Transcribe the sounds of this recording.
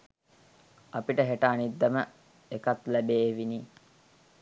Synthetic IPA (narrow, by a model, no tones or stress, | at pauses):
apiʈəɦeʈəːnid̪ːəmə | ekat̪læbeːʋini